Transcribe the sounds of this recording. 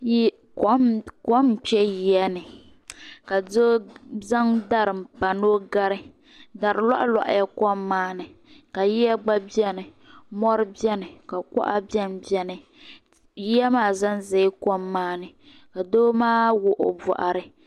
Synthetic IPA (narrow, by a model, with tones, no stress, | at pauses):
j | kkɔ˦m˨k͡pɛ˦ji˦ɛ˦nɨ˨ | ka˨o˦za˦ŋda˦ɾɨ˨m˨pa˨noː˦ɡa˦ɾɨ˦ | da˨ɾɨ˨la̰˦ʔa˦la̰˨ʔa̰˨ja˦kɔ˦mːaː˦nɨ˨ | ka˨ji˦a˦ɡ͡ba˦bɛ˦nɨ˨ | mɔ˦ɾɨ˦bɛ˦nɨ˨ka˨kɔ̰˦ʔa˦bɛ˦nbi˦ɛ˦nɨ˨ | ji˦ja˦maː˦˨za˦nze˨˦kɔ˦mːaː˦nɨ˨ | ka˨doː˦maː˦wʊ˨ʔo̰˨bɔ̰˨ʔa̰˨ɾɨ˦